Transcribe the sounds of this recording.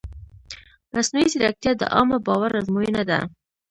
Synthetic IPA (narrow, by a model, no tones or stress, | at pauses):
masnujiziɾak̚t̪jad̪ə̰ʔɑməbɑwaɾazmuinad̪a̰